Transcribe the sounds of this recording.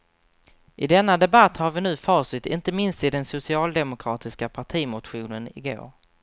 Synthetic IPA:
ʔɪd̪ɛnːad̪ɛbat̪ːhaɾvɪnʉ̟ːfɑːʂɪt̪ɪ̰nt̪əmɪnst̪ɪd̪ɛnsʊsɪɑːld̪ɛmʊkʰɾɑːt̪ɪskapʰaʈʰiːmʊt̪ɧuːnənɪ̰ɡo̰ːɾ

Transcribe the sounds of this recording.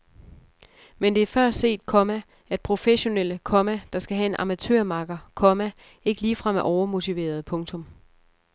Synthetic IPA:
mend̥e̝æɐfɶɐ̰sd̥se̝̰ːd̥̚kʰɒ̽mæ | æd̥̚pʰʁo̝feɕo̝nel̰əkʰɒ̽mæd̥ɑ̈sɡ̥æɦæe̝nʔɑ̈mæt͡sʰø̰ɐ̰mɑ̈ɡ̥ɐkʰɒ̽mæ | e̝ɡ̥əliːfʁɑ̈mæʔɒʊɐmo̝t͡sʰiʋe̝̰ːɐð̞̩ˠpʰɔ̽ŋt͡sʰɔ̽m

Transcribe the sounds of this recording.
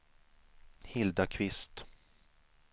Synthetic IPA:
hɪld̪akʰvɪst̪

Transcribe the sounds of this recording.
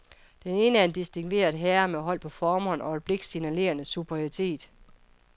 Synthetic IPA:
d̥ene̝ːnəæɐend̥isd̥iŋʋe̝̰ːɐðˠɦeːɐmeɦɒ̽l̰pʰɒ̽fɒːmhɒ̽n̰ʔɒb̥le̝ɡ̥sinæle̝̰ːɐnəsub̥ʰʁioʁit͡sʰe̝̰ːd̥

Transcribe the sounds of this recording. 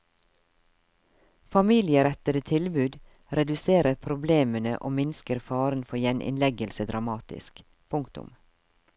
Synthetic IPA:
fɑmiːlɪəɾɛt̪ədət̪ʰɪlbʉːd̪ | ɾɛd̪ʉseːɾəɾpʰɾʊbleːmənə̰ʔo̰ːmɪnskəɾfɑːɾənfɔjɛnʔɪ̰nlɛɡəlsəd̪ɾɑmɑːt̪ɪ̰sk | pʰʊŋkt̪ʊ̰m

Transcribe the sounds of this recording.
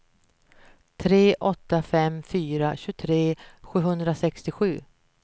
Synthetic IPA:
t̪ʰɾeːʔɔt̪ːafɛmfyːɾaɕɵt̪ʰɾeːɧʉ̟ːɦɵnd̪ɾasɛkst̪ɪɧʉ̟ː

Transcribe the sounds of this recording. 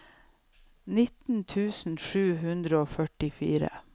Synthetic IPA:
nɪt̪n̩t̪ʰʉːsn̩ʃʉːɦʉnd̪ɾəoːfœʈɪfḭːɾə̰

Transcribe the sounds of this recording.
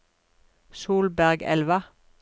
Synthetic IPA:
suːlbæʁɡɛ̰lʋə

